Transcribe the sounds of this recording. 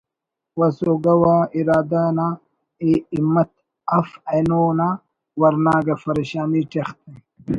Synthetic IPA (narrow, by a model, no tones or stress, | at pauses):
wɐsoːɡɐwaːiɾaːd̪aːna | eːimːɐt̪̚ | ɐfɐnoːna | wɐɾnaːɡɐfɐɾeɕaːmiːʈext̪e